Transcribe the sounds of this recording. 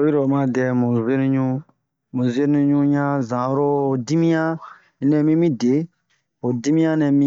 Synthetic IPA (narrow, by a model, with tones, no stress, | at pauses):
o˦i˦ɾo˨mã˦˨dɛ˨mũ˨ze˦nũ˦ɲũ˦ | mũ˨ze˦ũ˧˦ɲũ˦ɲã˦zã˨˦ɾo˦˨di˦mĩ˦ã˦ | i˦nɛ̃˨mĩ˦mĩ˦de˨˦ | o˨di˦mĩ˦ã˦nɛ̃˨mĩ˦